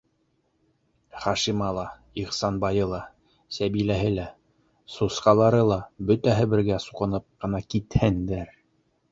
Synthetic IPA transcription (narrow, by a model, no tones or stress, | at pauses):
χɑʃimɑlˠɑ | iχsɑnbɑjɤlˠɑ | sæβilæɦɘlæ | susqɑlˠɑɾɤlˠɑbɵt̪æɦɘbɘ̆ɾɡæsuqɤ̆nɤp̚qɤ̆nɑkit̪hɘnd̪æɾ